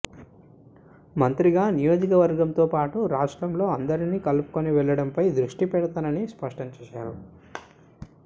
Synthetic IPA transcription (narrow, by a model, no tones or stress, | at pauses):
mɐnt̪ɾiɡaːnijo̞ːd͡ʒikɐʋɐɾɡɐmt̪o̞ːpaːʈuɾaːʂʈɾɐmlo̞ːɐnd̪ɐɾiniːkɐlupu̥koniʋɛɭːɐɽɐmpɐjd̪ɾuʂʈipɛɽɐt̪aːnɐnispɐʂʈɐmt͡ʃeːʃaːɾu